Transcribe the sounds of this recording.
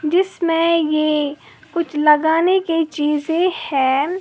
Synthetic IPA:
d͡ʒɪsmẽje | kʊt͡ʃʰlɐɡaːnekit͡ʃiːzẽhɛ̃ː

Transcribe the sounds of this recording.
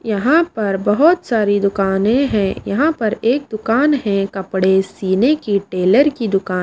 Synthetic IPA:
jɐɦãpɐɾbɐɦʊt̪saːɾid̪ʊkaːnẽɦɛ̃jɐ̰ɦãpɐɾeːk̚d̪ʊkaːnɦɛ̃kɐpɽesiːnekiʈeːləɾkid̪ʊkaːn

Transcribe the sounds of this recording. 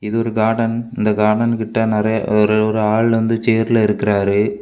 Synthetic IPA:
ɪðɯɔɾɯɡaːɽɐnɪnd̪ɐɡaːɽɐnkɪʈːɐnɪɾɐjɐɾɔɾɯaːɭʋɐnd̪ɯt͡ʃeːɾɪlɐɪɾɯkːɪraːɾɯ

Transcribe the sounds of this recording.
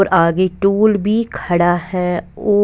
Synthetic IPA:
ɾʔaːɡeʈuːlbʱikʰəɽaɦɛːoː

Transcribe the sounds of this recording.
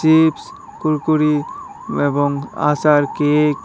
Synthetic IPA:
sips | kuɾkuɾi | ebɔŋa̰saɾkek

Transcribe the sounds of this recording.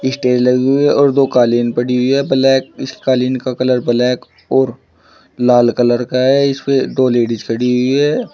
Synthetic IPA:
ɪsʈeːlɐɡɦʊiɦɛʔɔːɾd̪oːkaːliːnpɐɽiɦʊiɦɛːblɛːk̚ɪskaːliːnkakɐləɾbɐlɛːk | ɔːɾ | laːlkɐləɾkaɦɛɪsped̪oːleːɖɪd͡ʒkʰɐɽiɦʊiɦɛː

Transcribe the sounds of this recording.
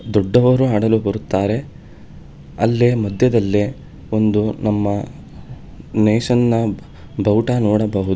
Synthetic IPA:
d̪ɔɖːɐʋɐɾuaːɽɐlubɐɾut̪ːaːɾe̞ | ɐlːemɐd̪ʱjɐd̪ɐlːe | o̞nd̪unɐmːɐ | neːʂɐnːɐ | bɐwʈanɔːɽɐbɐɦud̪u

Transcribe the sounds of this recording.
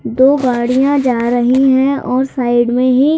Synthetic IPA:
d̪oːɡaːɽijãd͡ʒaːɾəɦiɦɛ̃ɔːɾsaːɪɖmẽɦi

